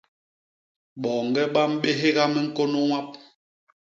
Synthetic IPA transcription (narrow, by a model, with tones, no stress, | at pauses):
ɓɔ˨ŋ̩˨ɡɛ˦ɓa˦m̩˦ɓe˦ɦe˦ɣa˦mɛ˦ŋ̩˦ko˦no˦wa˦p̚